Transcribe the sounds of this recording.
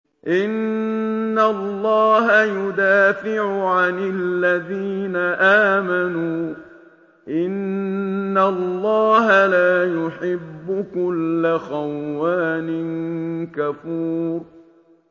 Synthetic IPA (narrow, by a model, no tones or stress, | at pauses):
ʔɪnː | alːɑːɦajʊd̪aːfɪʕʊʕanɪlːaðiːnaʔaːmanuː | ʔɪnː | alːɑːɦalaːjʊħɪbːʊkʊlːaxawːaːnɪnkafuːɾ